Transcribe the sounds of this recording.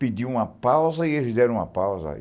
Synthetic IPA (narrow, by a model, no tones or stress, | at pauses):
pid̪iũmɐpawzɐielɪzd̪ɛɾɐ̃ũmɐ̰pawzɐ̰